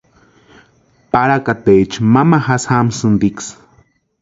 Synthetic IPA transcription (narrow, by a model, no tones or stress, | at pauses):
paɾakat̪et͡ʃmamahashamsɨnd̪iks